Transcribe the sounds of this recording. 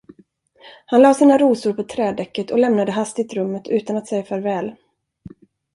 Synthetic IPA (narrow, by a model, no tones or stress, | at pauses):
hanlɑːsiːnaɾuːsʊɾpʰɔt̪ʰɾɛːd̪ɛkːət̪ʰɔlɛmnad̪əɦast̪ɪt̪ɾɵmːət̪ʰʉ̟ːt̪anat̪sɛjːafœːɾvɛːl